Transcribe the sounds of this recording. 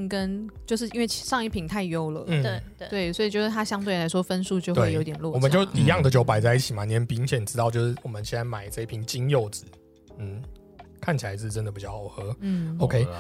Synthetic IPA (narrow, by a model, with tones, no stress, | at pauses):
nkə˦˥nt͡ɕjo˥˧ʊʂɻ̩˥˩i˥nwe˥˧ɪ˨ʂɑ˥˧ŋi˥˩pʰi˨˩ŋnt̪ʰa˥˧ɪjo˥˧ʊlə̰˨˩˥ | we˥˩ɪswɔ˧˥i˨˩t͡ɕjo˥˧ʊʂɻ̩˥˩t̪ʰa˥ɕjɑ˥ŋt̪we˥˩ɪla˧˥ɪʂwɔ˥fə˥nsu˥˧t͡ɕjo˥˧ʊtwe˥ɪo˧˦˥t̪jɛ˨˩nlwɔ˥˧wɔ˨ə˨˦˨t͡ɕjo˥˨˩ʊi˨˥jɑ˥˨ŋd̪ə˨˩t͡ɕjo˥ʊpa˨˩ɪt͡sa˥˧ɪi˥˩t͡ɕʰi˨˩ma˨˩njɛ˧˥˦npi˧˥ŋɕjɛ˨˩n˩ʈ͡ʂɻ̩˥t̪ɑ˥˧ʊt͡ɕjo˥˧ʊʂɻ̩˥˩wɔ˨˩mə˦nt͡ɕʰɛ˥na˧˥ɪma˨˩ɪt͡sa˥˧i˥˩pʰi˧˥ŋt͡ɕi˦ŋjo˥˩ʊt͡sɹ̩˨˩˦ | n̩˥˩ | kʰa˥˩nt͡ɕʰi˨la˧˦ɪʂ̩˥˧˩ə˦nd̪pi˨˩t͡ɕɑ˥˩˨ʊxɤ˧˥n̩˥˩o˥ʊkʰe˥ɪ